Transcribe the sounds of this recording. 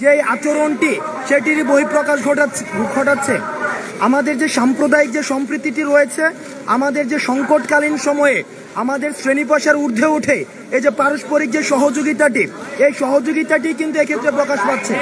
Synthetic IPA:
d͡ʑeat͡ɕoɾonʈiʃeʈiɾboɦipɾokaʃoaɡʱoʈatːʰe | amad̪eɾd͡ʑeʃampɾod̪aik̚d͡ʑeʃɔmpɾit̪ːiʈiɾojet͡ɕʰe | a̰mad̪eɾd͡ʑeʃɔŋkoʈkalinʃɔmɔe | amad̪eɾsɾenip̬aʃaɾuɾd̪ʱeuʈʰe | ed͡ʑepɾaɾoʃpoɾik̚d͡ʑeʃɔɦod͡ʑoɡit̪aʈiejʃɔɦod͡ʑoɡit̪aʈikint̪uekʰet̪ːɾepɾokaʃpaɾːt͡ɕʰe

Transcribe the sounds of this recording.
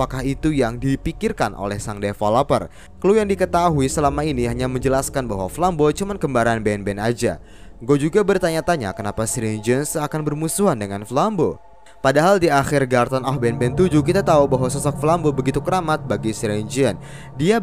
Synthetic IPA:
pakahit̪ujaŋdipikirkanʔo̰lɛhsaŋdefalapə̰r | kəlujaŋdikət̪aɦuisəlamainiɦaɲaməɲd͡ʒəlaskanbaɦwa̰flambot͡ʃumankəmbaɾanbɛnbɛnad͡ʒa̰ | ɡod͡ʒuɡabərt̪aɲat̪aɲa̰kənapasɾɛnd͡ʒənsakanbərmusuɦandəŋanflambo | padaɦaldiaxɪrɡart̪anɔhbɛnbɛnt̪ud͡ʒukit̪at̪aubaɦwasɔsɔk̚flambobəɡit̪ukəɾamat̪̚baɡisɾɛnd͡ʒiən | dia

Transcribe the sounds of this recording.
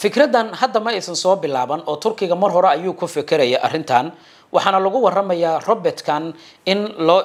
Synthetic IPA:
fɪkʰrɐd̪ɐnhɐd̪ːɐmɐɛsɐnsɔːbɪlaːβɐnʔɔːt̪ʰʊrkʰɪɣɐmɐrɦɔɾɛɐjuːkʰʊfɪkʰɪɾɛjɛʔɐ̰rɪnt̪ʰɐːn | wʔɑħɑːnɐlʊɣʊwɑrɐmɐjaːrɔbɛrt̪kʰɐn | ɪnlɔː

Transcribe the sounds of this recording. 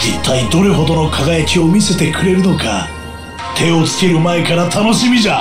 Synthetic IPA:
d͡ʑet̪ːaid̪o̞ɾe̞ɦo̞d̪o̞no̞kʰaɡajakʲio̞mʲise̞t̪e̞kɯ̟ɾe̞ɾɯ̟no̞ka̰ | t̪ʰe̞o̞t͡sɨ̥ke̞ɾɯ̟mae̞kaɾat̪ʰano̞ɕimʲiʑa

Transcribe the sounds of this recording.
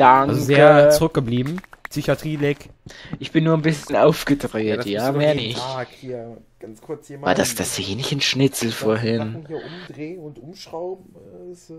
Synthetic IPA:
d̥aŋazozeːɐət͡suʁʏk̚ɡ̥əbliːbm̩psyçatʁ̥iːlɛkʔɪçb̥ɪnːuːɐnbɪsçən̩aʊfɡ̥ədʁeːttjaːmeːɐnɪç | ɡ̥ankʰʊɐt͡saɐdasd̥aseːnɪçn̩ʃnɪt͡sl̩foːɐɦɪniɐʔʊmdʁeːnʊntʔʊmʃʁ̥aʊbm̩

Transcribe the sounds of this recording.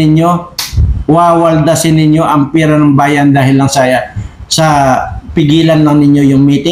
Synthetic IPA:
ɪɲjo̞ | waːwɐld̪asɪnɪɲjo̞ʔɐŋpɛːɾɐnɐŋbaːjɐnd̪aːɦɪlːɐŋsaːjasɐpɪɡiːlɐnlɐŋnɪɲjo̞jʊŋmiːt̪ɪ

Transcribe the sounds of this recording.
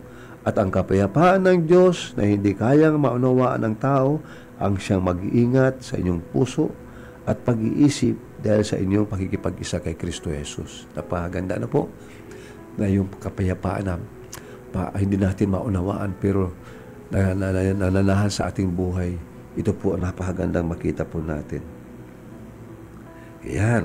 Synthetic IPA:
ʔɐt̪ɐŋkɐpajapaːʔanːɐŋd̪jo̞snɐ̰hɪnd̪ikaːjaŋmaʔʊnɐwaːʔa̰nɐŋt̪aːʔo̞ | ʔɐŋʃaŋmɐɡʔiːŋat̪̚sɐʔɪ̰ɲjoŋpuːso̞̰ʔ | ʔɐt̪̚pɐɡɪ̰ʔiːsɪp̚d̪aːhɪlsɐ̰ʔɪɲjoŋpɐkikɪpaɡɪsakɐjkɾist̪ohɛsṵs | nɐpahaɡɐnd̪a̰napo̰ʔ | nɐjʊŋpkɐpɐjapa̰ːʔa̰nɐ | pa̰hɪnd̪inaːt̪ɪnmaʔʊnɐwa̰ːʔanpɛɾo̞ | nɐnanɐnaːɦansɐʔa̰ːt̪ɪŋbuːɦaj | ʔɪt̪opoʔɐŋnpɐɦaɡɐnd̪aŋmɐkiːt̪ɐpʊna̰ːt̪ɪn | jan

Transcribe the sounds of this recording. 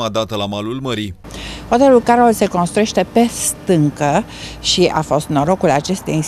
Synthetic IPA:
ad̪at̪əlamalulməɾi | pat̪eulkaɾolse̞ko̞nst̪ɾujeʃt̪e̞pe̞st̪ɨŋkə | ʃia̰fo̞st̪no̞ɾo̞kulat͡ʃe̞st̪eji

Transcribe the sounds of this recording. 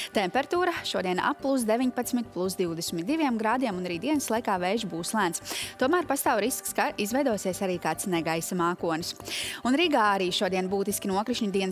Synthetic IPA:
t̪ɛmpɛɾat̪uːɾaʃuɔd̪iɛna̰pːlˠus̬d̪evʲiɲpat̪smit̪̚plˠus̬d̪iwd̪esmʲit̪̚d̪iʋiɛmɡɾaːd̪iɛmunaɾiːd̪iɛnslˠajkaːvɛjʒbuːslˠæːnst̪uɔmæːɾpast̪aːwɾiskskaʔizvɛjd̪uɔsiɛsaɾiːkaːt̪snɛɡajsamaːkuɔnusunɾiːɡaːaɾiːʃuɔd̪iɛnbuːt̪iskʲinuɔkɾiʃɲud̪iɛn

